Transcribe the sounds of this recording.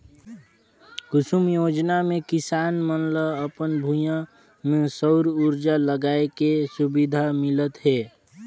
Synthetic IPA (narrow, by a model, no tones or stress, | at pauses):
kʊsumjoːd͡ʒnamẽkɪsaːnmənləəpənbʱujã | mẽsəʊɾuɾd͡ʒaləɡaːekesʊbid̪ʱamɪlət̪ɦɛː